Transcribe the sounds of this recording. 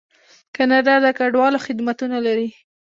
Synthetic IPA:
kanad̪ad̪əkaɖwɑloxɪd̪mat̪unalaɾi

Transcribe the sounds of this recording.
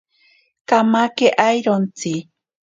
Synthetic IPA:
kamakeʔajɾont͡si

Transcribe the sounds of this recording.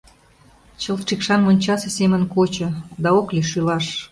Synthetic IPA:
t͡ɕəlʈ͡ʂikʃɑnmonʲt͡ɕɑsĕsemənkot͡ɕə̆d̪ɑokleʃylɑʃ

